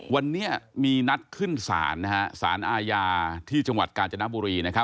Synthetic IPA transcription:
wa˧nːi˦˥ɐmiː˧na˦˥t̪̚kʰɯ˥˩nsa̰ː˩˦nːa˦˥ha˦˥sa̰ː˩˦nʔaː˧jaː˧t̪ʰiː˥˩t͡ɕa˧ŋwa˨˩t̪̚kaː˧nt͡ɕa˧na˦˥buː˧ɾiː˧na˦˥kʰa˦˥p

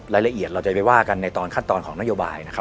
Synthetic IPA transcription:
ɾaː˧jla˧ʔi˨˩ət̪ɾa˧wt͡ɕa˨˩pa˨jwaː˥˩ka˧nːa˧jt̪ɔː˧nkʰa˥˩nt̪ɔː˧nkʰɔː˩˦na˥joː˧ba̰ː˧jna˦˥kʰa˦

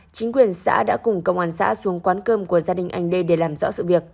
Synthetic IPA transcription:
t͡ɕï˨˦ŋ̟kwi˨˩ənsa̰ː˧˥ɗa̰ː˧˥kʊ˨˩ŋ͡mkə˧wŋ͡maː˧˩nsa̰ː˧˥su˨˦əŋkwaː˨˦nkəː˧mku˧˩əzaː˧ɗï˨˩ŋ̟ʔa˧jŋ̟ɗə˧jɗe˧˩laː˨˩mzɔ̰˧˥sɨ̰˧˨vi˨˩ək̚

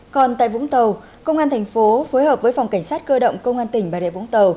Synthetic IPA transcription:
kɔ˨˩nt̪a̰ː˧˨jvʊ̰˧˥ŋ͡mt̪ə˨˩w | kə˧wŋ͡mʔaː˧nt̪ʰɛ˨˩jŋ̟fo˨˦foː˨˦jhəː˨˩p̚vəː˨˦jfa˨˩wŋ͡mka˧˩ŋ̟saː˦˥t̚kəː˧ɗə̰˧˨wŋ͡mkə˧wŋ͡mʔaː˧nt̪ï˩ŋ̟ɓaː˨˩ɗḛ˧˨vʊ̰˧˥ŋ͡mt̪ə˨˩w

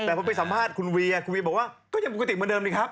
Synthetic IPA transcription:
t̪ɛː˨˩o˧˦pe˧jsa˨˦mpʰaː˥˩t̪̚kʰu˧nwi˧ə˧kʰnwi˧bɔː˨˩k̚waː˥˩kɔː˥˩a˧ŋ˨˩kːt̪i˨˩mː˨˧˦ndəː˧nɗi˧˩kʰaː˦˥p̚

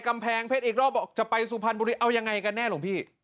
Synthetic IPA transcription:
ka˧mpʰɛː˨˦ŋpʰe˦˥˩t̪ʔiː˨˩k̚ɾɔː˥˩p̚bɔː˨˩k̚t͡ɕa˨˩pa˧jsuː˨˦pʰa˧nbu˧ɾi˦˩ʔa˧wja˧ŋːa˧jka˧nːɛː˥˩lo˧˩˦ŋpʰiː˥˩

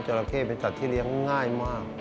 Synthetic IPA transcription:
t͡ɕo˨˧˩la˧kʰeː˥˩pe˧nsa˨˩t̪ʰːiː˥˩li˦˥əŋŋaː˥˩jmaː˥˩k̚

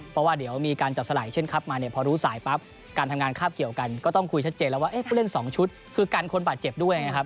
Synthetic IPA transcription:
pʰɔ˦˥waː˥˩di˩˦əwmiː˧kaː˧nt͡ɕa˨˩p̚sa˧laː˩˦jt͡ɕʰe˥˩nkʰa˦˥p̚maː˧ni˥˩ɐpʰɔː˧ɾuː˦˥saː˩˦jpa˦˥p̚ | kaː˧nt̪ʰmŋaː˧nkʰaː˥˩p̚ki˨˩əwka˧nkɔː˥˩t̪ɔ˥˩ŋkʰu˧jt͡ɕʰa˦˥t̪̚t͡ɕeː˧nlɛ˦˥waː˥˩ʔe˦˥˩pʰuː˥˩le˥˩nsɔː˩˦ŋt͡ɕʰu˦˥t̪̚ | kʰɯː˧kaː˧nkʰo˧nbaː˨˩t̪̚t͡ɕe˨˩p̚du˥˩əja˧ŋːma˦˥jkʰa˦˥p̚

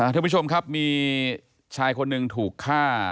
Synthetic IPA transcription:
ʔa˧˩aː˧˥˧pʰu˥t͡ɕʰo˧mkʰa˦˥p̚miː˧ | t͡ɕʰaː˧jkʰo˧nːɯ˧ŋt̪ʰuː˨˩kʰːaː˥˩

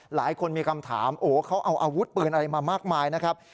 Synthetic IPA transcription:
laː˩˦jkʰo˧nmiː˧kʰa˧mt̪ʰa̰ː˩˦mʔoː˩kʰa˦˥wʔa˧wʔaː˧wu˦˥t̪̚pɯː˧nʔa˧ɾa˧jmaː˧maː˥˩k̚maː˧jna˦˥kʰɾa˦˥p̚

